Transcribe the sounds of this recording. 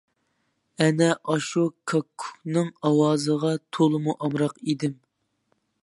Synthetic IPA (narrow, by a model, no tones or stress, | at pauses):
ɛnɛʔɑʃukʰɑkʰːu̥nɨŋɑwɑːzəʁɑt̪ʰolˠɨmuʔɑmɾɑqid̪ɪm